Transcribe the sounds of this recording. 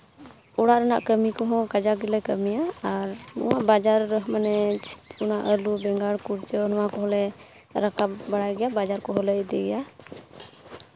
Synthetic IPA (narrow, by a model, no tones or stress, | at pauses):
uɽaʔɾanaʔkəmikɔɦɔ̃kad͡ʒaɡilɛkəmijaːɾnɔ̰waʔbad͡ʒaɾːəɦmanɛt͡ʃunaʔəlubɛŋɡaɽkuɽt͡ʃənɔwakɔɦɔlɛ | ɾakapbaɽaɡɛjabad͡ʒaɾkɔɦɔlɛd̪ɛɡɛja